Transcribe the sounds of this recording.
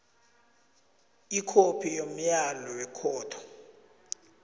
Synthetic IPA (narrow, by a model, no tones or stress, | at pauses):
ikʰopʰijom̩jalɔwɛkʰɔːtʰɔ̥